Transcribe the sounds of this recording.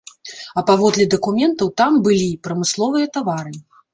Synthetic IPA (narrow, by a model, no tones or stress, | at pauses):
ɐpavɔd̪lʲɛd̪ɐkumʲɛnt̪ɐwt̪ambɨlʲipɾɐmɨslˠɔvɨjɐt̪avaɾɨ